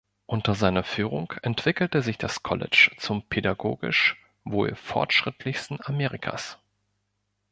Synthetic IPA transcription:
ʔʊntɐzaɪnɐfyːʁʊŋkʔɛntv̥ɪkl̩təzɪçd̥askʰɔ̰lɛ̰t͡ʃt͡sʊmpʰedaɡo̰ːɡɪ̰ʃ | vo̰ːlfɔ̰ɐtʃʁ̥ɪtʰlɪçstn̩ameːʁɪkʰa̰s

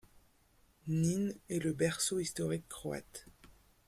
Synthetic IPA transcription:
ninɛləbɛʁsoist̪ɔʁikːχɔa̰t̪

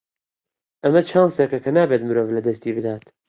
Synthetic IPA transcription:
ʔɐmɐt͡ʃʰaːnsekɐkɐnaːbet̪mɨɾoːvlɐd̪ɐst̪iːbɨd̪aːt̪

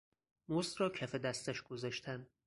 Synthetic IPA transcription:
mosd̪ɾɒːcʰæfed̪æst̪æʃɡ̥ozɒʃt̪ʰæn

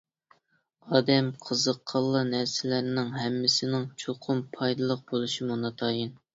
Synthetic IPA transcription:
ɑːd̪ɛmqʰəzəqʰːɑlˠːɑnæɾsɪlæɾnɪŋɦɛmːɪsɪnɪŋt͡ʃʰoqʰʊmpʰɑjd̪ɨlˠəq̚b̥olˠuʃimunɑt̪ʰɑːjin

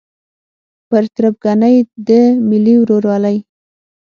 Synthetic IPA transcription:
pəɾt̪ɾap̚ɡanəjd̪əmɪliwɾoɾwɑləj

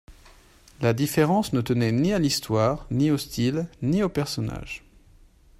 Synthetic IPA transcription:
lad̪ifeʁɑ̃snət̪ənɛnialist̪waʁniost̪ʰilniopɛʁsɔna̰ʒ̥

